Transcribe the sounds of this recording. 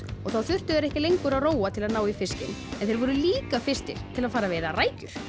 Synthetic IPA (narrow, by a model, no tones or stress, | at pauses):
ɔɣθawθʏ̥t̪ʏðɛɾɛhcɪlejŋkʏɾaðroːwat̪ʰɪlaðnaːwifɪscɪ̰nɛnθeɪɾvɔɾʏliːkafɪ̥st̪ɪ̰l̥t̪ʰɪlaðfaːɾaveːjðaraːjcʏɾ̥